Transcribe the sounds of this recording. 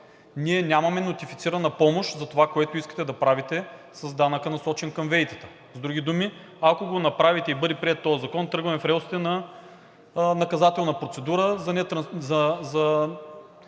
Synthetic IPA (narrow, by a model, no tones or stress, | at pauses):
niɛnʲamɐmɛnot̪ifit̪siɾɐnɐpɔmoʃt̪zɐt̪ovakoɛt̪oiskət̪ɛd̪ɐpɾavit̪ɛ | sɐzd̪anəkənɐsɔt͡ʃɛnkɐmvɛjt̪ə̥t̪ə̥ | zd̪ɾuɡʲid̪umi | akoɡonɐpɾavit̪ɛibɤd̪ɛpɾiɛt̪ːɔjəzɐkɔnt̪ɾɤɡvɐmɛfɾɛʊsi̥t̪ɛnɐ | nɐkɐzat̪ɛlˠnəpɾot̪sɛd̪uɾəzɐnɛt̪ɾɐzɐzɐ